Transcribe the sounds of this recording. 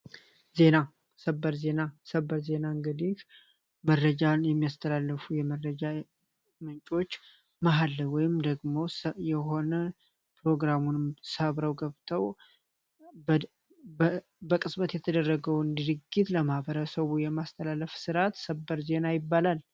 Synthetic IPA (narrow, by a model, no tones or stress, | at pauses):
ze̞na | səbːəɾze̞nasəbːəɾze̞naŋɡəd̪ik | məɾːəd͡ʒanjɛmːijast̪ʰəlalːəfujɛməɾəd͡ʒa | mɨnt͡ʃʼo̞t͡ʃː | maɦalːəwɔjɪmd̪əɡmo̞sjɛɦo̞nə | pɾo̞ɡɾamunsəβɾəwɡəβt̪ʰəw | bəkʼɨsbət̪jɛt̪ʰəd̪ərːəɡəwɨnd̪ɨɾɨɡːit̪ləmahbəɾəsəβujɛmast̪ʰəlalːəfsɨɾat̪səbːəɾze̞najɪbːalal